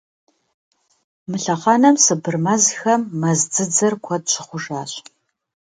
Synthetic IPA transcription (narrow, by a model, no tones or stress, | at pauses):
mɨɬɐqɑːnɐmsɨbɨrmɐzxɐmːɐzd͡zɨd͡zɐrkʷʰɐd̚ɕʰɪχʷʊʒaːɕ